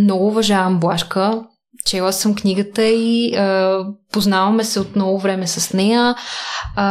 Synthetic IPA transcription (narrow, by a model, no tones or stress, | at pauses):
mnɔɡʊːvɐʒavɐmblˠaʃkə | t͡ʃɛlˠəsɐmknʲiɡət̪əiəpoznavɐmɛsɛot̪nɔvovɾɛmɛsɐsnɛjə